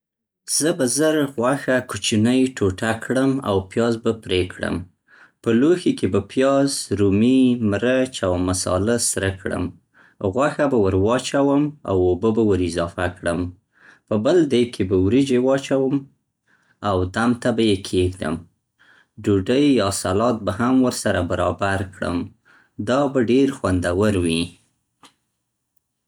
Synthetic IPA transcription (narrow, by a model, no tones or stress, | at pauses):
z̥əbazəɾɣwaxakut͡ʃinəjʈʰoʈakɽəma̰wpjɑzbapɾekɽə̰m | pəloxekebapjɑzɾumimɾət͡ʃawmasɑ̰ləsɾəkɽə̰m | ɣwaxabawəɾwɑt͡ʃawəma̰wobəbawəɾɪzɑfakɽə̰m | pəbəld̪əjkʰebəwɾid͡ʒewɑt͡ʃawəm | awd̪amt̪abajekʰeɡd̪ə̰m | ɖuɖəjɑsalɑt̪̚baɦamwəɾsaɾabaɾɑbaɾkɽə̰m | d̪ɑbaɖeɾxwand̪awəɾwi